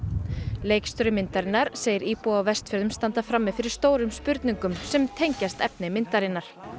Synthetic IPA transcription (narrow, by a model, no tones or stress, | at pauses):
leːjkst̪œɾʏmɪnt̪aɾɪnːaɾ̥seːjɪɾiːpuawvɛst̪fœɾðʏmst̪ant̪afɾamːɛfɪɾɪɾ̥st̪oːwɾʏmspʏɾt̪niŋkʏmsɛmt̪ʰejɲcast̪ɛpnɪmɪnt̪aɾɪnːaɾ̥